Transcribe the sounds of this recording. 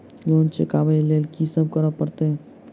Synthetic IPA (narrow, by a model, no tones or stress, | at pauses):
lont͡ʃekabəlelkisəb̚kəɾəpːəɾt̪e